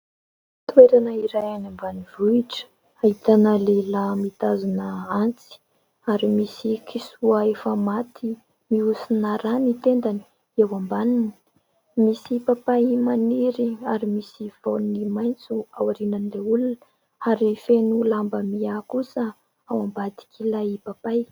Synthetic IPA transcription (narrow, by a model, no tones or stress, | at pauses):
t̪weɾanəiɾajanambanivuiʈ͡ʂə̥ | ait̪anəlelamit̪azunəant͡si̥ | aɾimisikʰisuəefəmat̪ʰi | miusinaɾanit̪end̪ani̥ | ewambanini̥ | misipapajmaniɾiaɾimisiv̥ownimajnt͡suawaɾinanleulunə | aɾifenulambəmiakusə | awambad̪i̥kʲʰilaipapaj